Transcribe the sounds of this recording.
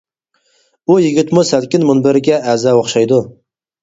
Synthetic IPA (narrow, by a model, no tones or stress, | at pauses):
ujiɡʲit̪musælkʲɪnmunbɪɾɪɡʲɛʔɛzɛoχʃɑjd̪u